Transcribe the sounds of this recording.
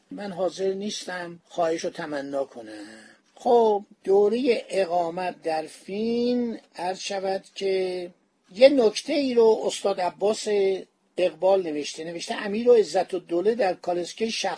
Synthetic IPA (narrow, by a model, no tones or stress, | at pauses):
mænɦɒːze̞ɾniːst̪æmxɒːheʃot̪ʰæmænːɒːkʰonæ | xob̚d̪̥oːɾeje̞ʔeɣɒːmæt̪̚ʰd̪æɾfinæɾz̥ʃævæd̪̥cʰe | jenokʰt̪ʰe̞iːɾoːost̪ɒːd̪æbːɒːse | eɣbɒːlne̞veʃt̪ene̞veʃt̪eʔæmiːɾoezːæt̪ʰod̪oled̪æɾkʰɒleskeʃæ